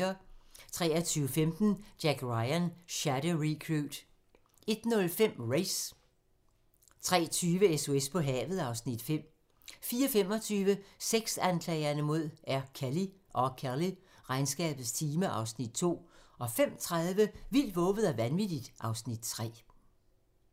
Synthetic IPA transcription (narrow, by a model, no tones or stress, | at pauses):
ɐt͡sʰʁɛ̰ːɐt͡sʰyːəfemd̥n̩d̥jæɡ̥ʁɑɪænɕæɾ̥əʁikʰʁud̥ | e̝d̥nɔ̽lfem̰ʁeɪs | t͡sʰʁɛ̰ːt͡sʰyːʋəeso̝espʰɒ̽ɦɛ̰ːʋð̞̩ˠɑ̈ʊsnid̥fem̰ | fiːɐfem̰ɒ̽t͡sʰyːʋəseɡ̥sænkʰlɛ̰ɪɐnəmo̝ð̞̰ˠæɐkʰæliʔɒ̽kʰæli | ʁɑ̈ɪnsɡ̥ɛ̰ːb̥ð̩ˠst͡sʰiːməʔɑ̈ʊsnid̥̚t͡sʰo̝̰ːɒ̽fem̰t͡sʰʁɑðˠʋəʋil̰d̥ʋɔ̽ːʋð̩ˠæʋænʋid̥id̥ʔɑ̈ʊsnid̥̚t͡sʰʁɛ̰ː